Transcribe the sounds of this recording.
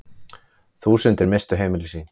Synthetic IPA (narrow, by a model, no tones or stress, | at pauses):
θuːsʏnt̪ɪɾmejst̪ʏɦeːjmɪlɪsiːn